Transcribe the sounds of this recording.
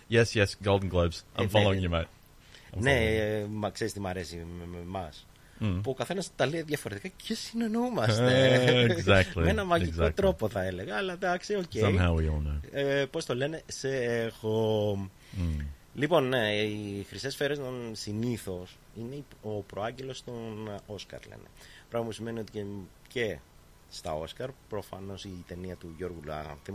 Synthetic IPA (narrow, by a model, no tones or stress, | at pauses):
jɛsjɛsɡ̥oʊlˠdən̩ɡloʊbz̥ʔã̰ɪ̃mfalloɪ̃ŋjəmaɪt | nemɐkseɾist̪imɐɾe̞simememɐs | puokɐθe̞nɐsit̪ɐliɐðjɐfo̞ɾe̞t̪ikɐcʰesinenumɐst̪ezæk̚tˡlienɐmɐʝiɡzæokt̪ɾo̞po̞θɐe̞le̞ɣɐːlɐd̪ɐksiocẽmmɦaʊwiɔlˠnoʊpo̞st̪o̞le̞ne̞seexo | lipo̞nixɾisesfeɾeznonsiniθo̞s | ine̞iopɾoɐɲɟe̞lo̞st̪o̞noskɐ̰ɾlḛne̞̰pɾɐɣmɐpusime̞nio̞t̪ice | ce̞ | st̪ɐ̰o̞skɐɾpɾo̞fɐ̰no̞sit̪e̞niɐt̪uʝo̞ɾɣulɐ̰θi